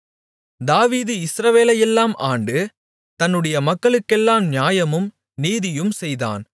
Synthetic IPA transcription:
d̪aːʋiːðɯɪsɾɐʋeːlɐjɛlːaːmʔaːɳɖɯ | t̪ɐnːɯɽɐjɐmɐkːɐɭɯkːɛlːaːmnjaːjɐmɯm | niːðɪjɯmsɛjða̰ːn

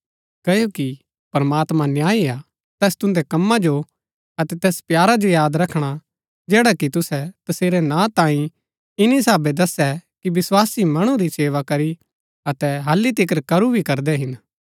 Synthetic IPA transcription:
kɐjoki | pɐɾɐmaːt̪mãnjaːia | t̪ɛːst̪ʊ̃nd̪ɛkɐmːãd͡ʒo | ɐt̪ɛt̪ɛːspjaːɾad͡ʒojaːd̪ɾɐkʰɽ̃a | d͡ʒɛːɽakit̪ʊsɛt̪ɐseːɾɛnãt̪ãːĩ | ɪnis̬aːbed̪ɐsɛkibɪswaːsimɐɽ̃ũɾiseːʋakɐɾi | ɐt̪ɛɦɐlːit̪ɪk̬əɾkɐɾubʱikɐɾd̪ɛɦɪn

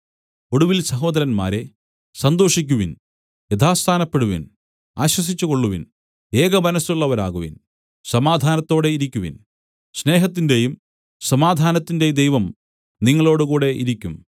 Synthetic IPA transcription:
o̞ɽuʋilsɐɦo̞ːd̪ɐɾɐnma̰ːɾe̞ | sɐnd̪o̞ːʂikʲːuʋin | jet̪ʰaːst̪ʰaːnɐpːe̞ɽuʋḭn | aːɕwɐs̬it͡ɕːuko̞ɭːuʋin | eːɣɐmɐnɐsuɭːɐʋɐɾa̰ːɣuʋḭn | sɐmaːd̪ʱaːnɐt̪ːo̞ːɽe̞iɾikʲːuʋḭn | sne̞ːɦɐt̪̬ːinde̞jum | sɐmaːd̪ʱaːnɐt̪ːinde̞d̪e̞jʋɐm | niŋːɐɭo̞ːɽukuːɽe̞ʔiɾikʲːum

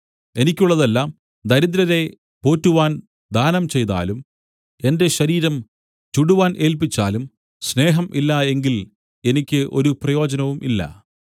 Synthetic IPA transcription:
e̞nikʲːuɭːɐðɐlːaːm | d̪ɐɾid̪ɾɐɾe̞ | po̞ːtːuʋaːn | d̪aːnɐmt͡ɕe̞jt̪a̰ːlum | e̞nde̞ɕɐɾiːɾɐm | t͡ɕuɽuʋaːnʔe̞ːlpit͡ɕːa̰ːlum | sne̞ːɦɐmʔilːɐe̞ŋɡil | e̞nikʲːɨʔo̞̰ɾuprɐjo̞ːd͡ʑɐnɐʋumʔilːɐ̰

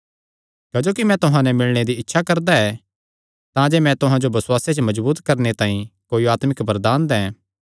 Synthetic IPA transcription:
kɐd͡ʒoːkimɛ̃t̪ʊɦãnɛmɪlɽ̃ed̪iɪtːʃʰakɐɾd̪aɛ | t̪ãd͡ʒeːmɛ̃t̪ʊɦãd͡ʒobɐswaːset͡ʃəmɐd͡ʒbuːt̪kɐɾnet̪ãːĩkoːiaːt̪mɪkbɐɾd̪aːnd̪ɛ̃ː

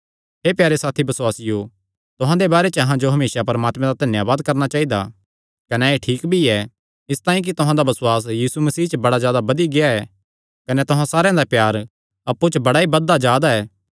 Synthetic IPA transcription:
ɦepjaːɾesaːt̪ʰibɐswaːsɪjo | t̪ʊɦãd̪ebaːɾet͡ʃəɐɦãd͡ʒoɦɐmeːsapɐɾmaːt̪mɛ̃d̪ad̪ʱɐnjaːʋaːd̪kɐɾnat͡ʃaːid̪a̰ | kɐnɛeʈʰiːkbʱiɛ | ɪst̪aːĩk̬it̪ʊɦãd̪abɐsʊwaːs̬jiːsumɐsiːt͡ʃəbɐɽazjaːd̪abɐd̪iɡeaɛ | kɐnɛt̪ʊɦãsaːɾejãd̪apjaːɾ | ɐpːut͡ʃbɐɽaibɐd̪ːad͡ʒaːd̪aɛː

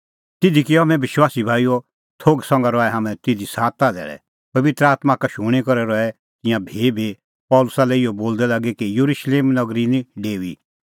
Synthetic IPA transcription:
t̪ɪd̪ʱikiɔamɛ̃bɪʃwaːsibʱaːijo | t̪ʰoːɡsɔ̃ŋɡaɾɔːɛɦamɛ̃t̪ɪd̪ʱisaːt̪ːad̪ɛ̰ːɽɛ̰ | pɐʋɪt̪ɾəaːt̪mãkaʃʊɽ̃ikɔɾɛɾɔɛ | t̪ɪ̃jãbʱeːbʱi | pɔːlʊsalɛɪɔboːld̪ɛlaːɡɛkijuɾʊʃleːmnɐɡɾinĩɖeːi

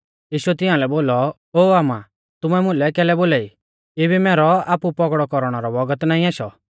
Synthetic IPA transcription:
jiːʃuɛt̪ɪ̃ãːlɛboːlɔ | oːaːma | t̪ʊmɛmʊ̃lɛkɛːlɛboːlaːi | ebimɛːɾɔaːpupɔkɽɔkɔɾɔɽ̃ɔɾɔbɔɡət̪naːĩaːʃɔ

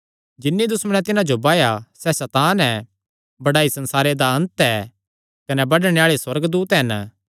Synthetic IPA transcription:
d͡ʒɪnːid̪ʊsmənɛt̪ɪnãd͡ʒobaːjasɛsɛt̪aːnɛ | bɐɽaːisɐ̃nsaːɾed̪aɐ̃nt̪ɛː | kɐnɛbɐɖɽ̃eaːɭeswɐɾɡd̪uːt̪ɦɐn

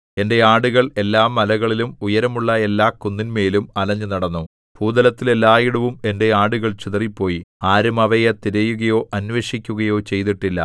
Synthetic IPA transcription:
e̞nde̞aːɽuɣɐɭe̞lːaːmːɐlɐɣɐɭilumujɐɾɐmuɭːɐe̞lːaːkunːinme̞ːlumɐlɐɲːɨnɐɽɐnːu | puːd̪ɐlɐt̪ːilelːaːjiɽɐʋume̞nde̞aːɽuɣɐɭt͡ɕiðɐripːo̞ːjiaːɾumɐʋɐjet̪iɾɐjuɣɐjo̞ːʔɐnʋe̞ːʂikʲːuɣɐjo̞ːt͡ɕe̞jt̪iʈːilːɐ̰

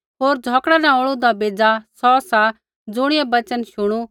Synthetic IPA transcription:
ɦoːɾd͡zʱɔːkɽanãoːɭud̪abeːd͡zasɔːsa | d͡zʊɽ̃ɪjɛbɐt͡ʃənʃʊɽ̃u

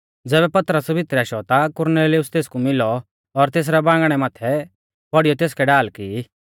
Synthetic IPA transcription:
d͡zɛːbɛpɐt̪ɾəsbʱɪt̪ɾɛaːʃɔt̪akʊɾneːlɪjʊst̪eːskumɪlɔ | ɔɾt̪eːs̬ɾɛbãːŋɡɽ̃ɛmaːt̪ʰɛ | pɔɽɪijɔt̪eːskɛɖaːlki

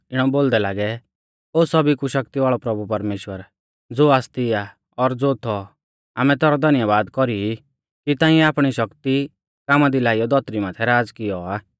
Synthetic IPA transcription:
ɪɽ̃ɔboːld̪ɛlaːɡɛ | oːsɐbikuʃɐkt̪iʋaːɭɔpɾɐbupɐɾmeːʃwəɾ | d͡zoːaːst̪ia | ɔɾd͡zoːt̪ʰɔ | a̰ːmɛ̃t̪ɛːɾɔd̪ʱɐnjəʋaːd̪kɔɾii | kit̪aːĩɛaːpɽ̃iʃɐkt̪i | kaːmad̪ilaːijɔd̪ʱɔt̪ɾimaːt̪ʰɛɾaːd͡zkɪjɔaː

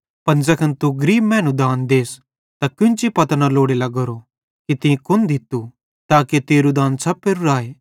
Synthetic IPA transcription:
pɐnd͡zɐkʰɐnt̪uɡɐɾiːbmɛ̃ːnũd̪aːnd̪eːs | t̪akʊ̃nt͡ʃipɐt̪analoːɽelaɡɐɾo | kit̪ĩkʊnd̪ɪt̪u | t̪aːket̪eːɾud̪aːnsɐpːeɾuɾaːeː

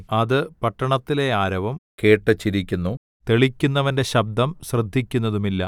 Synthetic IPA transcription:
ɐðɨpɐʈːɐɳɐt̪ːile̞aːɾɐʋɐmke̞ːʈːɐt͡ɕːiɾikʲːunːu | t̪e̞ɭikʲːunːɐʋɐnde̞ɕɐb̚d̪ʱɐmɕrɨd̪ʱːikʲːunːɐðumilːɐ

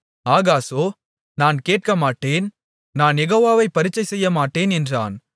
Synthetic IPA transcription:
aːɣaːsoː | naːnkeːʈ̚kɐmaːʈːeːn | naːnɛɣoːʋaːʋɐɪpːɐɾɪt͡ʃːɐɪsɛjːɐmaːʈːeːnɛndra̰ːn

